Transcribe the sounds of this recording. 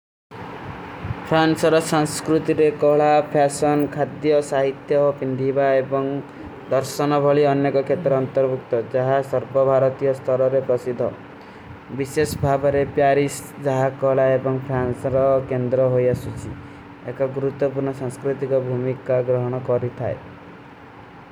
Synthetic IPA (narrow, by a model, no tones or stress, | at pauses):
pʰɾansɔɾɔsaŋskɾut̪iɾekɔɭapʰasɔnkʰad̪jɔsaɦit̪jɔpʰind̪ʱibaebɔŋ | d̪ɔɾsɔnɔbʱɔɭiɔnjekɔkʰet̪ɾɔːnt̪ɔɾbuk̚t̪ɔd͡ʒaɦasɔɾbɔbʱaɾɔt̪ijɔst̪ʰɔɾɔɾepɾɔsid̪ʱːɔ̰ | bisesɔbʱabɔɾepjaɾisd͡ʒaɦakɔɦɭaebɔŋpʰansɔɾɔkend̪ɾɔɦojasut͡ʃʰi | ekɔɡuɾut̪ːɔpuɾɳɔsaŋskɾut̪ikɔbʱumikaɡɾɔɦɔɽ̃ɔkɔɾit̪ʰa̰e